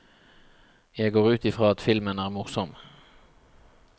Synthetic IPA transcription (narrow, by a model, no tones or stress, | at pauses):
jæɪɡoːʁʉːt̪ɪfʁɑːɑt̪fɪlmənæːʁmʊʁsɔm